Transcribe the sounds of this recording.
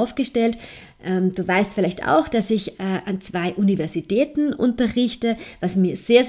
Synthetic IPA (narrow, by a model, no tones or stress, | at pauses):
ʊfɡ̥əʃtɛlt | ʔɛːmd̥uːvaɪstfɪlaɪçta̰ʊxd̥asɪçɛːʔant͡sv̥aɪʔunivɛɐzitʰɛːtn̩ʔʊ̰ntɐʁɪçtəvasmiːɐz̥eːɐz